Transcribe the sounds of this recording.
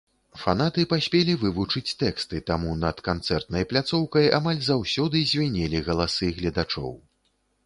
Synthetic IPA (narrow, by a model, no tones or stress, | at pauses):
fanat̪ɨpasʲpʲɛlʲivɨvut͡ʂɨt͡sʲt̪ɛkst̪ɨt̪amunɐt̪kant̪sɛrt̪̚nɐjplʲat̪sɔwkɐja̰malʲzawsʲɔd̪ɨzʲvʲanʲɛlʲiɣɐlˠasɨɣlʲɐd̪at͡ʂɔ̰w